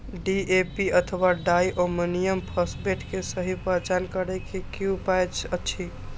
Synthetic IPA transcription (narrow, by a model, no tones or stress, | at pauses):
ɖiepiət̪ʰəwaɖaiʔominijəmpʰəsbeʈkesəɦipət͡ʃankəɾɛkekiupajt͡ʃʰət͡ʃʰi